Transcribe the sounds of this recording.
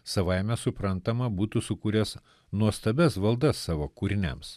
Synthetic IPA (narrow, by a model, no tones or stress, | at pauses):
sɐʋɐɪmʲɛsʊpɾɐnt̪ɐmɐbuːt̪usʊkuːɾʲɛs | nuɔst̪ɐbʲɛsʋɐlˠd̪ɐsːɑːʋoːkuːɾʲɪnʲɛ̰ms